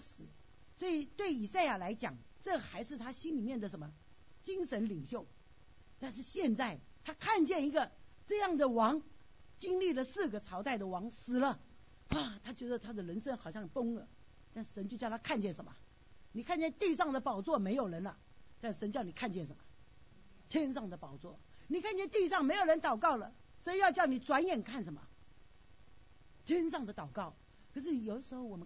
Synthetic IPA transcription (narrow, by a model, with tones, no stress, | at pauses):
sɹ̩˨˩˦ | swɔ˧˥i˨˩t̪we˥˩ɪi˨˩sa˥˩ɪja˨˩la˧˥ɪt͡ɕjɑ̰˨˩˦ŋ | ʈ͡ʂɤ˥˩xa˧˥ɪʂɻ̩˥˩t̪ʰa˥ɕi˥nli˨˩mjɛ˥˩nd̪ə˩ʂə˧˥nmə˧ | t͡ɕi˥nʂə˧˦˥nli˨˩ŋɕjo˥˩ʊ | t̪a˥˧nʂ̬ɻ̩˥˩˧ɕjɛ˥˧nt͡sa˥˩ɪt̪ʰa˥kʰa˥˧nt͡ɕjɛ˥˩ni˧˥ɡə˧ | ʈ͡ʂɤ˥˧jɑ˥˩ŋd̪ə˩wɑ˧˥ŋ | t͡ɕi˥nli˥˩lə˩sɹ̩˥˩ɡə˩t͡sʰɑ˧˥ʊt̪a˥˩ɪd̪ə˩wɑ˧˥ŋsɹ̩˨˩lə˦ | wa˨˩t̪ʰa˥t͡ɕɥɛ˧˥d̪ə˧t̪ʰa˥d̪ə˨lə˧˥nʂə˥nxɑ˨˩ʊɕjɑ˥˩ŋtʊ˥ŋə˧˦ | t̪a˥˩n̩˩ʂə˧˥nt͡ɕjo˥˧ʊt͡ɕj̪ʰa˥kʰa˥˧nt͡ɕjɛ˥˩nʂə˧˥nmə̰˨ | ni˨˩kʰa˥˧nt͡ɕjɛ˥˧nt̪i˥˧ʂɑ˥˩ŋd̪ə˩pɑ˨˩ʊt͡swɔ˥˩me˧˥ɪjo˨˩ʊɻə˧˥nə˨ | t̪a˥˩ʂ̩˨ʂə˧˥nt͡ɕjɑ˥˩ʊni˨˩kʰa˥˧nt͡ɕjɛ˥˩nʂə˧˦mə˧ | t̪ʰjɛ˥nʂɑ˥˩ŋd̪ə˩pɑ˨˩ʊt͡swɔ˥˩ | ni˨˩kʰa˥˧nt͡ɕjɛ˥˧nt̪i˥˧ʂɑ˥˩ŋme˧˥ɪjo˨˩ɻə˧˥nt̪ɑ˨˩ʊkɑ˥˩ʊlə˩ | sɔ˧˥i˧˥jɑ˥˧ʊt͡ɕjɑ˥˩ʊni˨˩t͡swa˧˥njɛ˨˩nkʰa˥˩nʂə˧˥nmə̰˨˩ | t̪ʰjɛ˥nʂ̬ɑ˥˩ŋd̪ə˩t̪ɑ˨˩ʊkɑ˥˩ʊ | kʰɤ˧˩ʂ̬ɻ̩˥˩jo˨˩ʊdə˩ʂɻ̩˧˥xo˥˩ʊwɔ˨˩ə˦